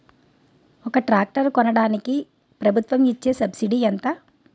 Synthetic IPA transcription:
ɔkɐʈɾaːk̚ʈɐɾkɔnɐɽaːniki | pɾɐbʱut̪ʋɐmit͡ʃːeːsɐbsiɖiːɐnt̪ɐ

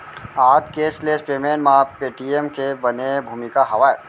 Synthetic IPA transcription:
aːd͡ʒkeːslespɾeːmenmãpeːʈiemkebɐnebʱuːmɪkaɦɐʋaːe

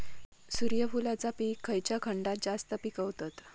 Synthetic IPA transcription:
suɾjəfulat͡sapikʰːəjt͡ɕjakʰəɳɖat̪̚d͡zast̪əpikəʋt̪at̪

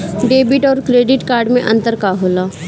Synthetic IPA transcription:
ɖeːbɪʈɔːɾkɾeːɖɪʈkaːɾɖmẽʔɐ̃nt̪əɾkaɦoːlaː

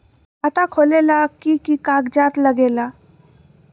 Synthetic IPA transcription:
at̪akʰolelakiːkikaɡd͡ʑat̪ləɡela

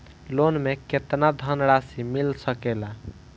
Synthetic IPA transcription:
lonmeket̪nad̪ʱənɾasimilsəkela

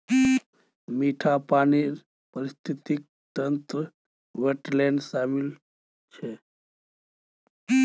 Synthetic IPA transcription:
miːʈʰapaːniɾ | pəɾist̪ʰit̪ik̚ | t̪ənt̪ɾə | ʋeʈɾleɳɖsaːmil | t͡ʃʰe

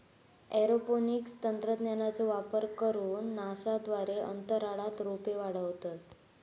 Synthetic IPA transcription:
ɛɾoponikst̪ənt̪ɾəd̪nanat͡səʋapəɾkəɾuːnːasad̪ʋaɾeə̰nt̪əɾaɭat̪ɾopeʋaɽ̤əʋt̪ə

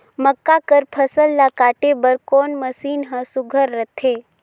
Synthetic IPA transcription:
məkːakəɾpʰəsəlːakaːʈebəɾkoːnməsiːnɦə̃sʊɡʱəɾːət̪ʰeː

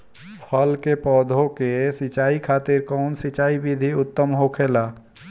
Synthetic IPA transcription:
pʰəlkepɔd̪ʱokesit͡ʃaikʰat̪iɾkɔʊnsit͡ʃaibid̪ʱiut̪ːəmɦokʰela

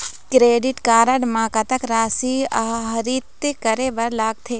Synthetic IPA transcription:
kɾeːɖiʈkaːɾɐɖmãːkɐt̪ɐkɾaːsiaɦɐɾit̪kɐɾebɐɾlaːɡ̚t̪ʰeː

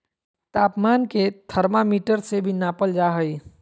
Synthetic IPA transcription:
t̪aːpmaːnket̪ʰəɾmamiːʈəɾsebʱinaːpəld͡ʒaːɦəi

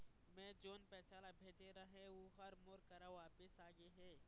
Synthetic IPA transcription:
mɛ̃ːd͡ʒoːnpɛːsaːlabʱeːt̪eɾɐɦẽuɦɐɾmoɾkɐɾaʋaːpɪsaːɡeɦɛː

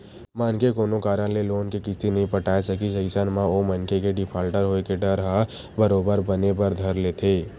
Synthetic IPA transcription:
maːnkekoːnokaːɾə̃leloːnkekɪst̪inɐɦĩpɐʈʰaːesɐkiʃɐɪsənmãoːmɐnkekeɖɪpʰaːlʈəɾɦoːekeɖɐɾɦa | bɐɾoːbəɾbɐnepɐɾd̪ʱɐɾleːt̪ʰeː

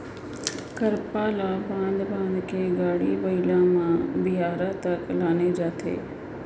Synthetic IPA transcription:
kɐɾpaːlabãːnd̪bãːnd̪kʰeːɡaːɽiʋɐilãmãbɪɦaːɾat̪ɐklaːned͡ʑaːt̪ʰḛː

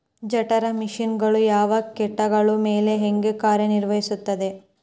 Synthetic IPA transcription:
d͡ʒɐʈɐɾɐmiʂinɡɐɭujaːʋɐkɛʈːɐɡɐɭumeːle̞ɦeŋɡekaːɾjɐniɾʋɐɦisut̪ːɐd̪e̞

